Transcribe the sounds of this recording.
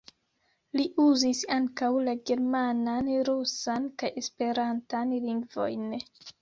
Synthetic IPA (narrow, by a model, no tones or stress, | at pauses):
liʔuzisaŋkawlaɡe̞ɾmananɾusankaje̞spe̞ɾantanliŋɡvo̞̰jn